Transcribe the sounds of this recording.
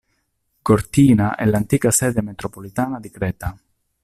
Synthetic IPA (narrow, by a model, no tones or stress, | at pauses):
kort̪iːnaʔɛ̰lant̪iːkasɛːd̪emet̪ɾopolit̪aːnad̪ikɾɛːt̪a